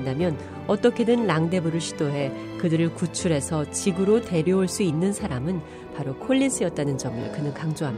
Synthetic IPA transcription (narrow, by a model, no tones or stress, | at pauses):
damjʌn | ʌt͈ʌkʰe̞dɯnːaŋde̞buɾɯɭɕʰi̥doɦe̞ | kɯdɯɾɯɭkut͡ɕʰuɾe̞sʰʌt͡ɕiɡɯɾote̞ɾjʌoɭs͈uinːɯnsʰaɾamɯn | paɾokʰoʎːisʰɯjʌt̚t͈anɯnd͡ʑʌmɯ̰ɭkɯnɯnkaŋd͡ʑoɦami